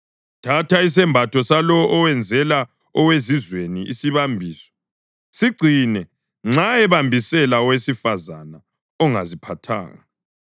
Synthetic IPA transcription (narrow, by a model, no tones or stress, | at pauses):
tʰatʰais̬ɛmbʱatʰɔsalɔʔːwɛnd͡zʱɛla | ɔwezizweniʔisiβambʱiːsɔ̥ | siɡ͡ǀʱinɛ | ŋ͡ǁaɛβambʱisɛlaɔwesifazana | ɔŋa̰zipʰatʰa̰ːŋaa